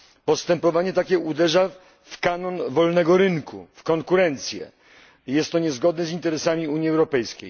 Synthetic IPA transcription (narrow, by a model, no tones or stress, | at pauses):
pɔst̪ɛmpɔvaɲɛt̪akʲɛud̪ɛʐa | fkanɔnvɔlnɛɡɔɾɘŋkʰṵfkɔŋkuɾɛnt̪sʲjɛ̰ | jɛst̪ːɔɲɛzɡɔd̪nɛzint̪ɛɾɛsamʲiuɲjiɛwɾɔpɛjskʲḛj